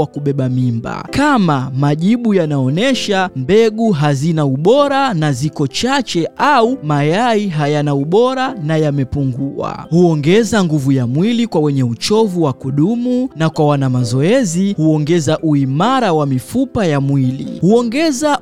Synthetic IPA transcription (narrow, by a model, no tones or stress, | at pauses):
wakuɓɛɓamimba̰kamamaʄiɓujanaɔnɛʃambɛɠuɦazinauɓɔɾanazikɔt͡ʃat͡ʃɛʔaumajaiɦajanauɓɔɾanajamɛpuŋɡua̰huɔŋɡɛzaŋɡuvujamwilikwawɛɲɛut͡ʃɔvuwakuɗumunakwawanamazɔɛzihuɔŋɡɛzaʔuimaɾawamifupajamwilḭhuɔŋɡɛza